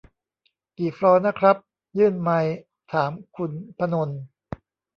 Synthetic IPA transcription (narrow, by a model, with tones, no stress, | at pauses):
kiː˨˩fɾɔː˧˥na˦˥kʰɾa˦˥p̚ | jɯː˥˩nma˧j | t̪ʰaː˩˦mkʰu˧npʰa˧no˧n